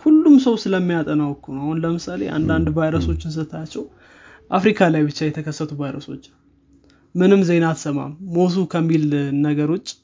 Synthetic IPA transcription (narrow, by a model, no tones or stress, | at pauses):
hulːumsəwsɨləmːijat̪ʼənawkʰːunwahunləmɨsale̞̰ʔa̰nd̪and̪vajɾəso̞t͡ʃːɪns̬ɨt̪ʰat͡ʃːɛw | ʔafɾikʰalajbɨt͡ʃːajɛt̪ʰəkʰəsːət̪ʰuvajɾəso̞t͡ʃː | mɨnɨmze̞nat̪səma̰mːot̪̬ukʰəmːilnəɡəɾʊt͡ʃʼː